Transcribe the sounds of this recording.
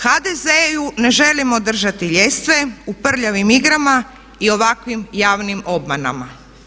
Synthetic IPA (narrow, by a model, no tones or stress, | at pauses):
xad̪ezejune̞ʒe̞limo̞d̪r̩ʒat̪iʎe̞st̪ʋe̞upr̩ʎaʋimiɡɾama | io̞ʋakʋimjaːʋnimo̞bmana̰ma̰